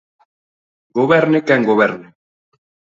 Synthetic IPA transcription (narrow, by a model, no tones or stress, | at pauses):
ɡoβeɾnekɛŋɡoβeɾne